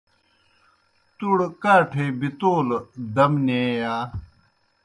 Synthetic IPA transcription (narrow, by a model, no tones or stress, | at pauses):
t̪uɽkaːʈʰebit̪oːld̪ɐmneːjaː